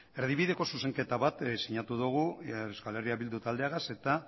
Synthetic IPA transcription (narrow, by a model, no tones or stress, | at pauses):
e̞ɾð̞iβiðe̞ko̞suse̞ŋke̞t̪aβat̪siɲat̪uðuɣ̞urewskale̞riaβild̪ut̪ald̪e̞aɣase̞t̪a